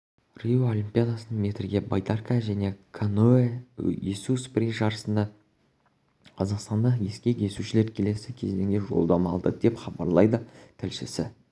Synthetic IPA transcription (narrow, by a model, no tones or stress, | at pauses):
rijoolʲimpʲijad̪asənəɴme̞t̪ɾɡʲe̞bajt̪arkaʒæne̞kʰanoejesuspriʒɑɾəsənd̪ɑ | qʰɑzɑqst̪ɑnd̪ɑje̞skʲe̞kʲʰe̞suʃɪle̞ɾkʲʰe̞le̞sɪkʲʰe̞zd̪e̞ŋɡʲe̞ʒo̞̰lˠd̪ɑmɑlˠd̪əd̪e̞pχɑbɑɾlˠɑjd̪ət̪ʰɪlʃɪsɪ